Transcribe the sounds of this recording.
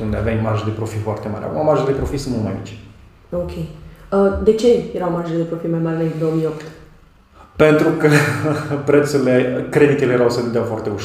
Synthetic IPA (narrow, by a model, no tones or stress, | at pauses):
und̪eaveamaʒed̪e̞pɾo̞fifoart̪emaɾʲʔa̰kumamaʒed̪e̞pɾo̞fisɨnnumajaḭt͡ʃ | okʲʰejəd̪e̞t͡ʃe̞jeɾawmaʒeld̪e̞pɾofimajmaɾʲleind̪o̞əmijopt̪ | pe̞nt̪ɾukəpɾet̪suɾilekɾe̞d̪it̪elejeɾawsəvɨnd̪eawfoart̪e̞uʃ